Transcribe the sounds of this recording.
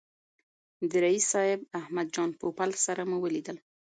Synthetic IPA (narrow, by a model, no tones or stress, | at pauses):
d̪əɾaisːɑɪbahmad̪̚d͡ʒɑnpopalsaɾamuwəlid̪əl